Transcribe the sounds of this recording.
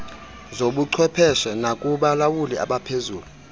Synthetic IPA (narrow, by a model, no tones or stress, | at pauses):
zoɓuǀʰwɛpʰɛʃɛnakʼuɓalawulia̰ɓapʰezuːlu